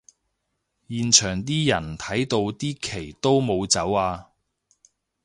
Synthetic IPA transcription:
jiː˨nt͡ʃʰœː˨˩ŋt̪iː˥jɐ˨˩nt̪ʰɐ˨˥jt̪o˧wt̪iː˥kʰe˨˩jt̪o˥wmo˨˧wt͡sɐ˨˥waː˧

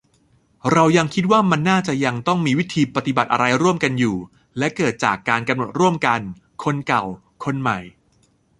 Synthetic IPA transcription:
ɾa˧wja˧ŋkʰi˦˥t̪̚waː˥˩ma˧nːaː˥˩t͡ɕa˨˩ja˧ŋt̪ɔ˥˩ŋmiː˧wi˦˥t̪ʰiː˧pa˧t̪i˨˩ba˨˩t̪̚ʔa˧ɾa˧jɾu˥˩əmka˧njuː˨˩ | lɛ˦˥kɤː˨˩t̪̚t͡ɕa̰ː˨˩kːaː˧nka˧mno˨˩t̪̚ɾu˥˩əmka˧n | kʰo˧nka˨˩w | kʰo˧nma˨˩j

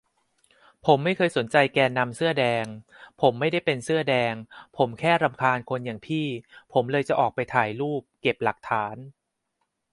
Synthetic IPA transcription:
pʰo˩˦mːa˥˩jkʰɤː˧jso˨˩˦nt͡ɕa˧jkɛː˧nːa˧msɯ˥˩ɐdɛː˧ŋpʰo˩˦mːa˥˩jda˥˩jpe˧nsɯ˥˩ɐdɛː˧ŋpʰo˩˦mkʰɛː˥˩ɾa˧mkʰaː˧nkʰo˧njaː˨˩ŋpʰiː˥˩pʰo˩˦mlɤː˧jt͡ɕa˨˩ʔɔː˨˩k̚pa˧jt̪ʰaː˨˩jluː˥˩p̚ke˨˩p̚la˨˩k̚t̪ʰaː˩˦n

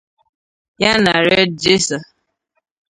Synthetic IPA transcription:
ja˦na˨ɾɛe˦d̚d͡ʒe˦sa˨

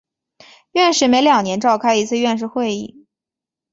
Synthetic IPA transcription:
ɥɛ˥˧nʂɻ̩˥˩me˧˥ɪljɑ˨˩ŋnjɛ˧˥nʈ͡ʂɑ˥˧ʊkʰa˥˧ɪi˧˥t͡sʰɹ̩˥˧ɥɛ˥˧nʂ̬ɻ̩˥˧xwe˥˧ɪḭ˥˩

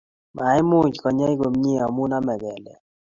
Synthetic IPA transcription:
mʔa˨ɪ˦mʊ˦d͡ʒkɔ˨ɲa˦i˦ɡo˨mɲi˦ɔ˨mu˦na˦mɛ˨ɡɛ˨lɛ̰˨

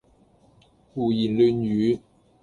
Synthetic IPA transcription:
fuː˨˩ji˨˩nly˧njyː˨˥˦

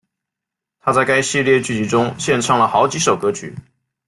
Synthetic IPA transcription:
t̪ʰa˥t͡sa˥˩ɪka˥ɪɕi˥˧ljɛ˥˧t͡ɕy˥˩t͡ɕi˧˥ʈ͡ʂʊ˥ŋɕjɛ˥˧nʈ͡ʂʰɑ˥˩ŋlə˩xɑ˧˥ʊt͡ɕi˧˥ʂo˨˩ʊkɤ˧˥t͡ɕʰy̰˨˥˦

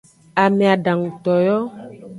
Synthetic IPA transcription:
a˨me˨a˨ɖã˨ŋ˨t̪ɔ˨jɔ˦

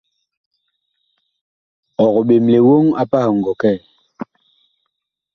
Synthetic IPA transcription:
ɔ˨ɣɔ˨ɓe˨m˨le˨wo˦ŋa˦pa˦ha˨ŋ˨ɡɔ˨kɛ˦˨

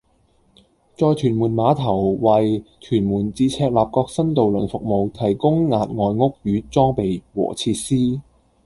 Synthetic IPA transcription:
t͡sɔː˧jtʰyː˨˩nmuː˨˩nmaː˨˧t̪ʰɐ˨˩wwɐ˨jt͡ʃʰyː˨˩nmuː˨˩nt͡siː˧t͡sʰɛː˧k̚laː˨p̚kɔː˧k̚sɐ˥nt̪o˨wlɵ˨˩nfʊ˨k̚mo˨wt̪ʰɐ˨˩jkʊ˥ŋːaː˨t̚ŋɔː˨jŋʊ˥k̚ɥyː˨˧t͡sɔː˥ŋpe˨jwɔ̰ː˨˩t͡sʰiː˧t̚siː˥

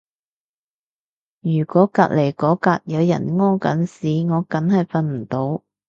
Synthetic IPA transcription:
jyː˨˩kɔː˨˥kaː˧t̚le˨˩jkɔː˨˥kaː˧t̚jɐ˨˧wjɐ̰˨˩nŋɔː˥kɐ˨˥nsiː˨ŋɔː˨˧kɐ˨˥nhɐ˨jfɐ˨nm̩˨˩t̪o˨˧˥w

